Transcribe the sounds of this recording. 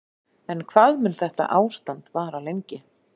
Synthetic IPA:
ɛnkʰvaðmʏnθɛht̪a̰ʔaːwst̪ant̪vaːɾalejɲcɪ

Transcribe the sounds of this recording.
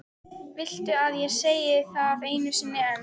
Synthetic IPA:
vɪl̥t̪ʏaðjɛseːjɪθaðaveːjnʏsiːnːɪɛm

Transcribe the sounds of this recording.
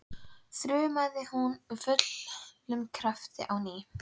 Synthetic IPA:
θɾøːmaðɪhunvʏt̪llʏmkʰɾaft̪ɪ̰ʔawniː

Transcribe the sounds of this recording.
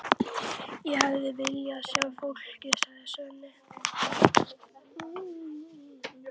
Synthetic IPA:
jɛhavðɪvɪljasjawfol̥cɪsaðɪsɛnːɪ

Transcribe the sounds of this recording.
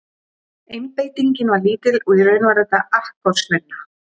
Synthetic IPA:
ejmpejt̪iɲcɪnvaɾliːt̪ɪlɔiɾœːɥnvaɾat̪aahkkɔɾ̥svɛnːa

